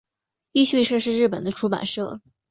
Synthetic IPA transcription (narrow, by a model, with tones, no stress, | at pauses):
i˥˧ɕɥi˥˧ʂɤ˥˧ʂ̬ɻ̩˥˧ɻ̩˥˩p̬ə˨˩nd̪ə˦ʈ͡ʂʰu˥pa̰˨˩nʂɤ˥˩